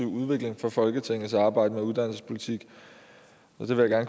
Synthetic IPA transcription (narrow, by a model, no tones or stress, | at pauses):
iʊ̰uð̞ˠʋe̝ɡ̥le̝ŋfɒ̽fɒ̽lɡ̥ət͡sʰeŋ̰ð̩ˠsɑ̈ːb̥ɑ̈ɪ̰d̥əmeuðˠd̥æn̰l̩səspʰo̝lit͡sʰiɡ̥ | ɒ̽d̥e̝ʋe̝jäɡ̥æɐnk